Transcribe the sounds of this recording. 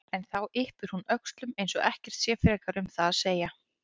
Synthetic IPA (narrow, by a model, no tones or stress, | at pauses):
ɛnθawɪhpʏɾ̥hunœkst̪lʏmejnsɔɣɛhcɛr̥t̪sjɛːfɾɛːkaɾʏmθaðaðseːja